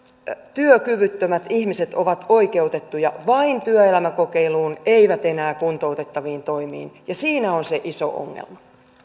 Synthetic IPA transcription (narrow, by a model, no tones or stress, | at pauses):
t̪yøkyʋyt̪ːømæt̪ihmiset̪oʋɑt̪oikeut̪et̪ːujɑʋɑint̪yøelæmækokeiluːneiʋæt̪enæːkunt̪out̪et̪ːɑʋiːnt̪oimḭːnjɑsiːnæonseʔiso̰ʔo̰ŋːḛlmɑ